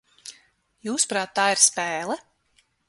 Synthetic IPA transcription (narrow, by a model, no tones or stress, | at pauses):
juːspɾaːt̪ːaːiɾspɛːlˠɛ